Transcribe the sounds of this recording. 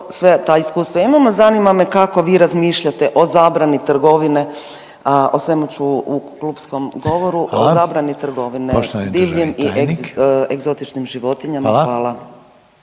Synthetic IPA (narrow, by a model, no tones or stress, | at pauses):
sʋet̪aːiskuːst̪ʋoimamozanimame̞kako̞ʋiːɾazmiːʃʎat̪e̞ʔo̞zaːbɾanit̪r̩ɡo̞ʋine̞ | aosʋe̞mut͡ʃuukluːpsko̞mɡo̞ʋoɾuʔozaːbɾanit̪r̩ɡo̞ʋinet̪d̪iːʋɲimiʔ | eɡzo̞t̪it͡ʃnimʒiʋo̞t̪iɲamaxʋaːlˠa